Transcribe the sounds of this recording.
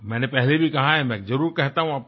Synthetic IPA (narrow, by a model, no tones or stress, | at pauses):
mɛ̃ːnepɛɦlebʱikɐɦaɦɛmɛ̃zɐɾuːɾkɛɦt̪aɦũaːp̚